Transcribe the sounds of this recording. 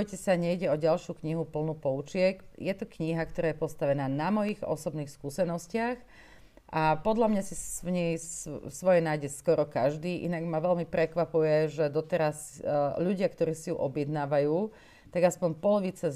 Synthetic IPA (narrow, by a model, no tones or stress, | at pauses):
ɔjcɛsaɲɛjɟɛɔɟalʃjukɲiɦupl̩nupɔut͡ʃɪɛkjɛt̪ukɲiɦakt̪ɔɾaːjɛpɔst̪aʋɛnaːnamɔjiɣɔ̰sɔbniːxskuːsɛnɔscɪax | ʔapɔd̪ʎamɲasiʋɲɛjsʋɔjɛnaːjɟɛskɔɾɔkaʒd̪iːʔḭnaɡmaʋɛʎmipɾɛkʋapujɛʒɛd̪ɔt̪ɛɾas | ʎuɟɪakt̪ɔɾiːsijuʔɔbɪjɛd̪naːʋajuː | t̪aɡaspɔɲpɔlɔʋit͡sa